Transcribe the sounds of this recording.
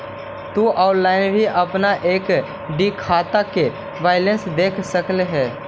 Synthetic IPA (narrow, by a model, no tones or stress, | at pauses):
t̪uʔaːʊʈlaːɪnbʱiʔɐpnaʔeːk | ɖikʰaːt̪ake | ʋaːɪlənsd̪eːkʰsəkleɦɛː